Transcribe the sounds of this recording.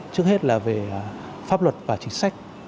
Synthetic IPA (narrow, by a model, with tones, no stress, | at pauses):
t͡ɕɨ˦˥ək̚he˦˥t̚laː˨˩ve˨˩˨ | faː˦˥p̚lwə˨˩t̚vaː˨˩t͡ɕï˨˦ŋ̟sa˦˥jk̟̚